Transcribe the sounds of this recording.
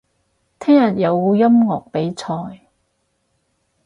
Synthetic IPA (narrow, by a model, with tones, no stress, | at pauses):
t̪ʰɛː˥ŋjɐ˨t̚jɐ˨˧wuː˨˧jɐ˥mŋɔ̰ː˨˩k̚pe˨˥jt͡sʰɔː˧j